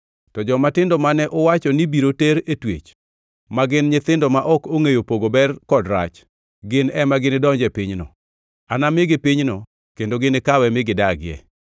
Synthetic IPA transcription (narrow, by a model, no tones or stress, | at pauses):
tɔd͡ʒɔmatɪndɔmanɛʔɔwat͡ʃɔnibiɾoteɾetwḛt͡ʃ | maɡɪnɲɪt̪ɪndɔmaʔɔkoŋejopoɡobɛrkɔdɾa̰t͡ʃ | ɡɪnɛmaɡɪnɪdɔɲd͡ʒɛpɪɲnɔ̰ | anamɪɡɪpɪɲnɔ | kendoɡɪnɪkawɛmɪɡɪdaɡɪɛ̰